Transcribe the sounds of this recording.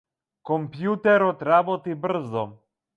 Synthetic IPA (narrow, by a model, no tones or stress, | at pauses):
kɔmpjut̪ɛɾɔt̪ɾabɔt̪ibr̩zɔ